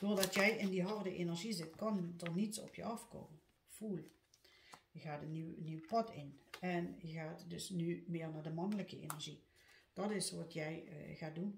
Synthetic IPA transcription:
d̥oːrdɔtjɛjʔɪndiɦɔrdəʔenərʒizɪtkɑndərnitsɔ̰pʰjə̰ɑfko̰ːmən | fuːl | jəɣaːdənyniwpɔtʰɪnɛnjəɣaːtdøsnymɪːrnadəmɑnələkəʔḛnərʒi | d̥ɔtɪsʋɔtʰjɛjɣaːt̚dun

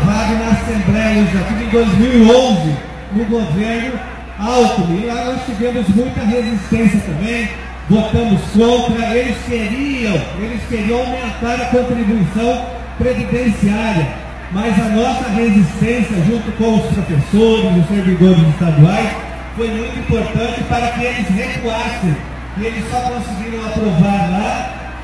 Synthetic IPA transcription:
vad̪ʊnɐasẽmblɛjɐezd̪ak̪ivẽj̃d̪ojzmiwiõw̃zɪ | nʊɡoveɾnʊ | awt̪umɪlanɔst͡ʃivẽmʊzmũj̃t̪ɐɦezist̪ẽsiɐt̪ɐ̃mbẽj̃ | vot̪ɐ̃mʊskõnt̪ɾɐelɪskeɾiɐ̃w̃elɪskeɾiɐ̃w̃awmẽnt̪aɾɐkõnt̪ɾibuisɐ̃w̃ | pɾevid̪ẽsiaɾjɐ | mɐzɐnɔsɐɦezist̪ẽsijɐʒũnt̪ʊkõw̃ʊspɾofesoɾɪzʊseɾvid̪oɾɪzɪst̪ad̪uajs | fojmũj̃t̪ʊĩpoɾt̪ɐ̃nt͡ʃɪpaɾɐkɪelɪzhekuasẽj̃ | kɪelɪsːɔkõsɪɡiɾɐ̃w̃apɾovaɾla

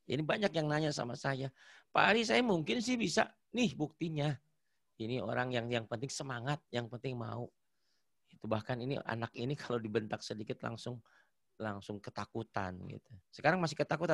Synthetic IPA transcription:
ḭnibaɲakjaŋnaɲasa̰masajapa̰ɾis̬ajamuŋkɪnsɪhbisa̰ | nɪhbuk̚t̪iɲa | inio̰ɾaŋjaŋjaŋpənt̪ɪŋsəmaŋat̪̚jaŋpənt̪ɪŋma̰u | ɡit̪ubahkaninḭa̰nakinikʰalodibənt̪ak̚sədikɪt̪la̰ŋsʊŋ | laŋsʊŋkət̪akut̪a̰nɡḭt̪usə̥kaɾaŋmasɪhkət̪akut̪a

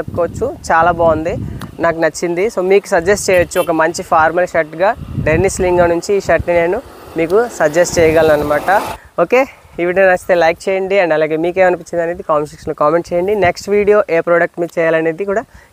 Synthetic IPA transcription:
t͡ʃepːu̥kɔːʋɐt͡ʃːut͡ʃaːlaːbaːnd̪inaːkunɐt͡ʃːind̪iso̞ːmiːku̥sɐd͡ʒesʈ̚t͡ʃɛːjɐt͡ʃːuɔkɐmɐɲt͡ʃipʰaːɾmɐlʃɐʈɡaːɖenisliŋɡɐnuɲt͡ʃiːʃɐʈːine̞ːnu | miːkusɐd͡ʒesʈt͡ʃɛːjɐɡalinɐnːɐmaːʈɐ | o̞ːke̞ː | iʋiɖɐnɐst̪eːlɐjk̚t͡ʃeːjɐɳɖiɐɳɖɐlaːɡe̞ːmiːke̞ːmɐnipit͡ʃind̪ɐneːd̪ikaːmɐʃ̬iksloːkaːme̞ɳʈ̚t͡ʃɛːjɐɳɖineksʈʋiːɽijo̞ːʔeːpɾoɖɐk̚ʈmiːd̪t͡ʃɛːjaːlɐne̞ːd̪ikuːɽaː

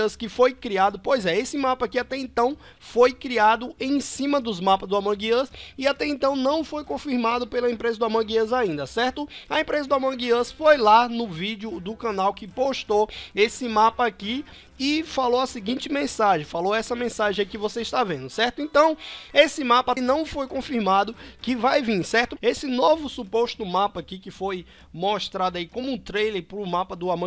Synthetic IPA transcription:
ɐskɪfojkɾiad̪ʊpojzɛesɪmapɐakiat̪ɛẽt̪ɐ̃w̃ | fojkɾiad̪ʊẽj̃sĩmɐd̪ʊzmapɐzd̪ʊamɐ̃ɡiəsɪat̪ɛẽnt̪ɐ̃w̃nɐ̃w̃fojkõfiɾmad̪ʊpelɐẽpɾezɐd̪ʊamɐ̃ɡiɐzaĩnd̪ɐsɛɾt̪ʊɐẽmpɾezɐd̪ʊamɐ̃ɡiɐsfojlanʊvid͡ʒiʊd̪ʊkɐ̃nawkɪpoʃt̪oesɪmapɐaki | ɪfalowɐsɪɡĩt͡ʃɪmẽsaʒẽj̃faloɛsɐmẽsaʒẽj̃akɪvoseɪʃt̪avẽnd̪ʊsɛɾt̪ʊẽnt̪ɐ̃w̃esɪmapɐnɐ̃w̃ʊfojkõfiɾmad̪ʊkɪvajvĩɾsɛɾt̪ʊesɪnovʊsupoʃt̪ʊmapɐakikɪfoj | moʃt̪ɾad̪ʊaikõmʊũt̪ɾejleɾpɾʊmapɐd̪ʊamɐ̃

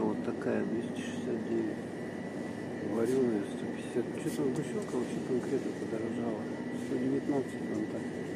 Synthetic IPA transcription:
vot̪ːɐkajəb̪ʲesʲt̪ʲɪ̥ʂɨ̥sʲat̪̚dʲeʋʲɪtʲ | vɐɾʲunːəjəst̪opʲɪsʲat̪̚t͡ɕot̪ambɨʂokəvɐpɕekɐnkɾʲet̪nəpəd̪əɾɐʐalˠə | st̪odʲɪvʲɪt̪nat̪sɨtʲɐnt̪a

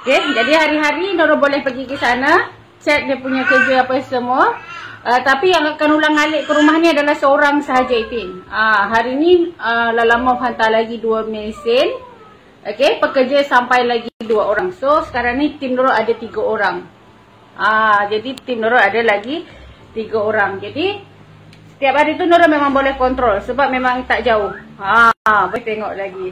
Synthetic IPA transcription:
oked͡ʒadiɦaɾiɦaɾinoɾʊʔbolɛhpəɡikəsana | t͡ʃɛt̪̚diəpuɲakərd͡ʒəapəsəmuəʔət̪apijaŋakanulaŋaleʔkəɾumahniadalahsəoɾaŋsəɦad͡ʒait̪ɪmaɦaɾiniəlalamawfant̪alaɡiduamesɪn | ʔokepəkərd͡ʒasampajlaɡiduaoɾaŋsosə̥kaɾaŋnit̪imnoɾoʔadat̪iɡaoɾaŋ | ʔad͡ʒadit̪imnoɾoʔadalaɡit̪iɡaoɾaŋd͡ʒadi | sə̥t̪iap̚haɾit̪̬unoɾɔʔmemãŋbolɛhkɔnt̪ɾɔlsəbap̚memãŋt̪aʔd͡ʒaʊhabəht̪eŋɔʔlaɡi

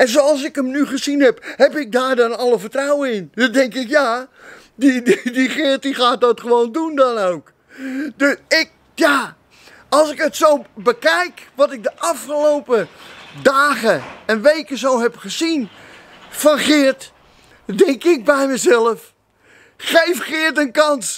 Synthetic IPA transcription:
ɛnzowɑlˠs̬ɪkəmnyχəzinhɛphɛpɪk̚daːrdɔnɔləfətrawəɪndɔndɛŋkɪkja | didiχɪət̚dixaːt̚dɔtχəʋoːndundɔnoːk | dɪk̚ | ja | ɑlˠsɪkətsowbəkɛjkʋɔtɪk̚dəʔɑfχəlowpədaːɣəɛnʋejkəszowɦɛpχəzin | fɔnχɪrt | dɛŋkɪk̚bɛjmɛzɛləf | xejfxɪərtənkɑns

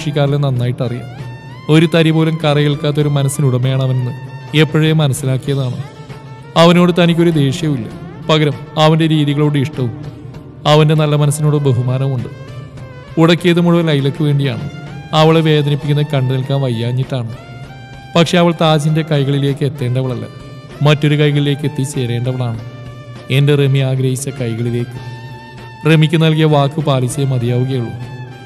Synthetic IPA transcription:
ʂikʲːaːrilenɐnːaːjiʈːɐrija̰m | o̞ɾut̪ɐɾibo̞ːlɐmkɐrɐjiɭkaːt̪ːo̞ɾumɐnɐsːinuɽɐmːejaːɳɐʋɐnnːɨe̞pːɐɻejemɐnɐsːilaːkːijɐðaːɳɨ | ɐʋɐno̞ːɽɨt̪ɐnikʲːo̞ɾud̪e̞ːʂjɐmilːɐ̰pɐɣɐɾɐmɐʋɐnde̞ɾiːðiɣɐɭo̞ːɽɨiʂʈɐʋum | ɐʋɐnde̞nɐlːɐmɐnɐsːino̞ːɽɨbeɦumaːnɐmuɳɖɨ | uɽɐkːijɐðɨmuɻɐʋɐlɐjilokːɨʋe̞ːɳɖija̰ːɳɨɐʋɐɭeʋe̞ːd̪ɐnipːikʲːunːɐkɐɳɖɨnɐlkaːnʋɐjːaːɲːiʈːaːɳɨ | pɐkʂe̞ɐʋɐɭt̪aːd͡ʑinde̞kɐjɣɐɭile̞ːkːɨe̞t̪ːe̞ːɳɖɐʋɐɭɐlːɐ̰ | mɐtːo̞ɾukɐjɣɐɭile̞ːkːe̞t̪ːit͡ɕe̞ːɾe̞ːɳɖɐʋɐɭaːɳɨ | e̞nderemiaːɡɾɐhit͡ɕːɐkɐjɣɐɭile̞ːkːɨ̥ | remikʲːɨnɐlk̬ijɐʋaːkːɨpaːlisɐjɐmɐd̪ijaːʋuɣɐjuɭːu

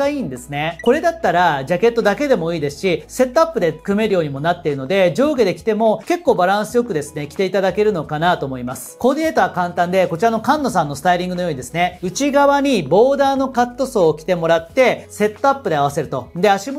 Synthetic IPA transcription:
aiːnd̪e̞sɨne̞ko̞ɾe̞d̪at̪ːaɾad͡ʑake̞t̪ːo̞d̪ake̞d̪e̞mo̞iːd̪e̞sɨ̥ɕise̞t̪ːo̞apːɯ̟d̪e̞̥kɯ̟me̞ɾɯ̟jo̞ːɲ̟imo̞nat̪ːeɾɯ̟no̞d̪e̞d͡ʑo̞ːɡɯd̪e̞kʲi̥t̪e̞mo̞ke̞kːo̞ːbaɾãɰ̃sɨjo̞kɯ̟d̪e̞sɨ̥ne̞kʲi̥t̪e̞it̪ad̪ake̞ɾɯ̟no̞kanat̪o̞ːmo̞imasɨ̥kod̪ʲine̞ːt̪oβakãnt̪ãnd̪e̞ko̞t͡ɕiɾano̞kãnːo̞sãnːo̞sɨ̥t̪aiɾʲĩŋɡɯnojo̞ːɲid̪e̞sɨne̞ɯ̟t͡ɕiɡaβaɲ̟ibo̞ːd̪aːno̞kat̪ːo̞so̞ːkʲi̥t̪e̞mo̞ɾat̪ːe̞se̞t̪ːo̞apːɯ̟d̪e̞aβ̞ase̞ɾɯ̟t̪o̞̰nd̪eaɕim

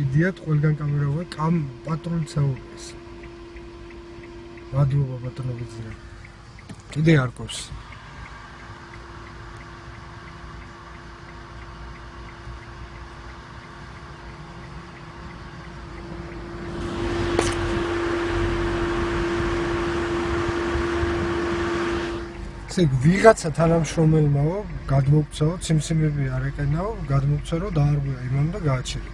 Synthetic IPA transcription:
id̪iat̪ʰqʼwɛlɡankʼamɛɾauvɛkʼapʼat̪ʼɾult̪sʰɛuɾis | mad̪ɾɔbabat̪ʼɔnɔvid̪ziɾa | kʼid̪ɛaɾkʼɔps | t̪sʰʼiɡʰviʁat̪sʰat̪ʰanamʃɾɔmɛlmaɔɡad̪mɔk̚ʰʼt̪sʰaɔt̪sʰimsʰimɛbiaɾɛkʼɛnaɔɡad̪mɔk̚t̪sʰaɾɔd̪aːɾɡwɛaimanumd̪aɡaːt͡ʃʰɛɾa

